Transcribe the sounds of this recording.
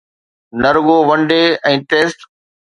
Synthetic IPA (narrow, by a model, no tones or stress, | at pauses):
nɐɾɡoːʋɐ̃ɳɖeːɛ̃ːʈeːsʈ